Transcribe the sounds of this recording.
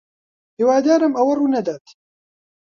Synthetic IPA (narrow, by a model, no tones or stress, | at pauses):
hiwaːd̪aːɾɐmɐwɐruːnɐd̪aːt̪